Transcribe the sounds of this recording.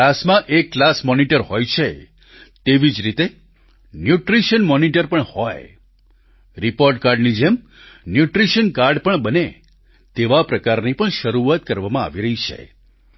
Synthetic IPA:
asmãʔekːlasmɔniʈəɾhojt͡ʃʰe | t̪eʋid͡ʒɾit̪e | njuʈɾiʃənmɔniʈəɾpəɳhɔj | ɾipoɾɖ̚kaɾɖnid͡ʒem | njuʈɾiʃənkaɾɖpəɳbəne | t̪eʋapɾəkaɾnipəɳʃəɾuat̪kəɾʋamãa̰ʋiɾəɦit͡ʃʰḛ

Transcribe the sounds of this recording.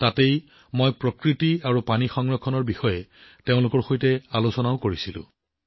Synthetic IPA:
tatej | mojpɹɔkɹitiaɹupanixɔŋɹɔkʰːɔnɔɹbixɔjɛteʊ̃lʊkɔɹxojtɛalosɔnaʊkoɹisilʊ̰̃

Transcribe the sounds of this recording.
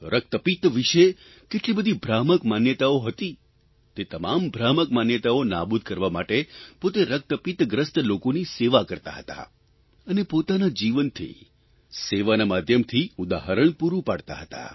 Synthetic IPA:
ɾʔək̚t̪əpit̪ʋiʃe | keʈlibəd̪ʱibʱɾaməkmanjət̪aoɦət̪i | t̪et̪əmambʱɾaməkmanjət̪aona̰bud̪̚ʱkəɾʋamaʈepot̪eɾək̚t̪əpit̪ɡɾəst̪lokoniseʋakəɾt̪a̰ɦət̪a̰ | ənepot̪anad͡ʒiʋənt̪ʰḭ | seʋanamad̪ʱjəmt̪ʰiud̪aɦəɾəɳpuɾupaɽt̪a̰ɦət̪a̰

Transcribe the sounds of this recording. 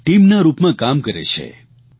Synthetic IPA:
ʈimnaɾupmãkamkəɾḛt͡ʃʰḛ

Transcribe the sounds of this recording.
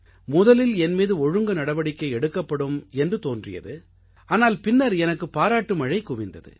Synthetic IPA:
mʊðɐlɪlɛnmiːðɯɔɻɯŋɡɐnɐɽɐʋɐɽɪkːɐɪɛɽɯkːɐpːɐɽɯmɛndrɯt̪oːndrɪ̰jɐ̰ðɯ | ʔaːnaːlpɪnːɐɾɛnɐkːɯpːaːɾaːʈːɯmɐɻɐɪkʊʋɪnd̪ɐðɯ̰

